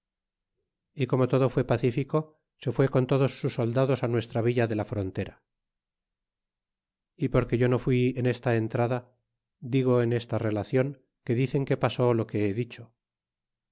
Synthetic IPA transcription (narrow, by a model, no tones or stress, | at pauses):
iko̞mo̞t̪o̞ðo̞fwe̞paθifiko̞ | se̞fwe̞ko̞nt̪o̞ðo̞sːusːo̞ld̪aðo̞sanwe̞st̪ɾaβiʎaðe̞lafɾo̞nt̪e̞ɾa | ipo̞ɾke̞ʝo̞no̞fwiene̞st̪ae̞nt̪ɾaða | d̪iɣ̞o̞ene̞st̪are̞laθjo̞ŋ | ke̞ðiθe̞ŋke̞paso̞lo̞ke̞eðit͡ʃo̞